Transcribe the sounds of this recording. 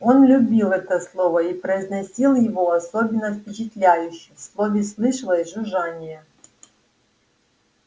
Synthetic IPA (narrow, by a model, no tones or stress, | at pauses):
o̞nlʲʊbʲilˠɛt̪əslˠovɐipɾəɪznɐsʲilˠjɪvoɐsobʲɪnːɐfpʲɪt͡ɕɪt̪lʲæjʉɕːɪfslˠovʲɪslˠɨʂlˠəʐʊʐanʲɪjə